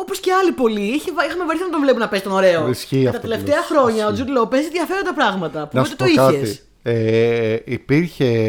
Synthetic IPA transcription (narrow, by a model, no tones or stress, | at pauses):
oposceɐlipo̞liiçevixɐmevoɾiθiɐnɐt̪oɱvlepunɐpesi̥t̪ono̞ɾe̞oisçiɐt̪ɐt̪leftt̪eɐxɾo̞ɲɐo̞d͡zud̪lopeziðʝɐfe̞ɾond̪ɐpɾɐɣmɐt̪ɐpunɐt̪et̪ikɐet̪si | eipiɾçe